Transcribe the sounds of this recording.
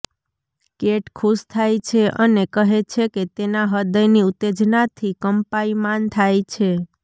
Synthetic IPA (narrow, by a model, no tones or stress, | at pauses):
keʈkʰuʃt̪ʰajt͡ʃʰeʔənekəɦet͡ʃʰeket̪enaɦəd̪əjniut̪ːed͡ʒnat̪ʰikəmpaimant̪ʰajt͡ʃʰe